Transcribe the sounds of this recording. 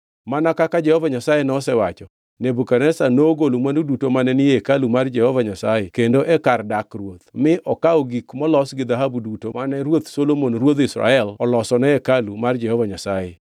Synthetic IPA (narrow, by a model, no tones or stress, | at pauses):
manakakad͡ʒɛhɔvaɲasajenɔsɛwat͡ʃɔ | nebukanɛsanoɡolomwandudutomanɛnɪjekalumard͡ʒɛhɔvaɲasajɛkendoʔɛkardakrwot̪mɪʔɔkaoɡikmɔlɔsɡɪd̪aɦabudutomanɛɾwot̪solomonrwot̪ɪsɾa̰ɛlɔlɔsɔnɛɛkalumard͡ʒɛhɔvaɲasajɛ